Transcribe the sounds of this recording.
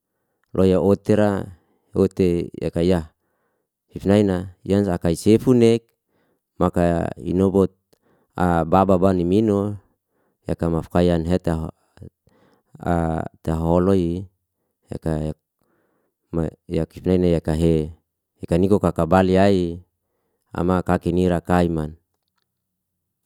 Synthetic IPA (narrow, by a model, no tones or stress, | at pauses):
lʔojaot̪eɾa | ot̪eja̰kaijah | hifnainaḭansakaisefunek̚ | makaḭnobot̪̚ | abababanimino | jakamafkajanɦet̪aɦ | a̰t̪aɦoloi | ja̰kaa | majakifnainajakaɦe | hekanikokakabaliai | a̰makakiniɾakaiman